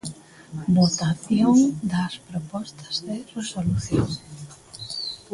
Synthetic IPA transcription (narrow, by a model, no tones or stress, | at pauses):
not̪aθjoŋd̪ɐspɾopɔst̪ɐ̥zðeresoluθjo̰ŋ